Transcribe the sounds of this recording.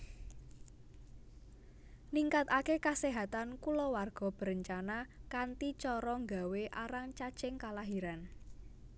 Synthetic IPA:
liŋkat̪akekaseɦat̪ankulɔwarɡ̥ɔ̤b̥ə̤ɾəɲt͡ʃanakant̪it͡ʃɔɾɔŋɡa̤weʔaɾaŋt͡ʃḁt͡ʃɪŋkalaɦiɾan

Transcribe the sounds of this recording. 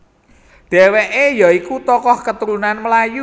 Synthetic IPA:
ɖ̪̥ɛ̤weʔejɔikut̪ɔkɔhkət̪uɾunanməlaju

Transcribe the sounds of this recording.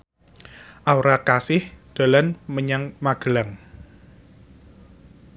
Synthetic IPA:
ʔawɾakasɪhd̪̥a̤lanməɲaŋmaɡ̥ə̤laŋ

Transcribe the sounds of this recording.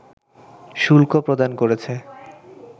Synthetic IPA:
ʃulkopɾod̪ankoɾet͡ɕʰe

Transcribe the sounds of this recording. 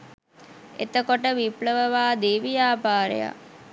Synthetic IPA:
et̪əkoʈəʋipləʋəʋaːd̪eːʋijaːpaːɾḛja̰

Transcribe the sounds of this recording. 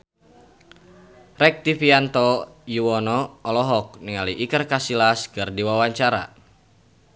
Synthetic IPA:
rɛk̚t̪ifiant̪ɔjuwɔnɔɔlɔɦɔk̚niŋaliʔikərkasilaskərdiwawaɲt͡ʃaɾa̰

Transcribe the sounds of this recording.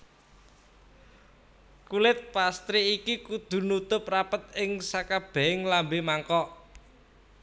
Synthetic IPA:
kulɪt̪̚past̪ɾiːkikud̪̥ṳnut̪ʊp̚rapət̪̚ɪŋsakab̥ɛ̤ɪŋlambemaŋkɔ

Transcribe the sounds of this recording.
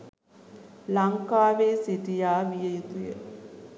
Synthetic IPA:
lɐŋkaːʋeːsiʈijaːʋijejt̪ujḛ

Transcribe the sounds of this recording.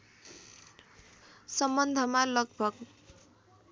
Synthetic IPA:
sʌmbʌnd̪ʱʌmalʌɡ̚bʱʌɡ

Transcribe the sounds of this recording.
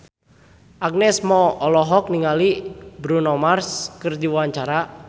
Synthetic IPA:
ʔaɡ̚nɛsmɔɔlɔɦɔk̚niŋalibɾunɔmarskərdiwawaɲt͡ʃaɾa

